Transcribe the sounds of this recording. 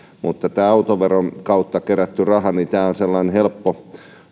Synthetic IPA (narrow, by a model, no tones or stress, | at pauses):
mut̪ːɑt̪æːɑut̪oʋeronkɑut̪ːɑkeræt̪ːyrɑhɑnit̪æːonselːɑinhelpːo